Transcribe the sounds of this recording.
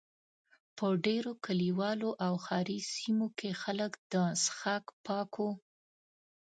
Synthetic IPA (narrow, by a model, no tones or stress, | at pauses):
pəɖeɾokaliwɑloʔawxɑɾisimokʰexaləkd̪̥əsxakpɑkʰo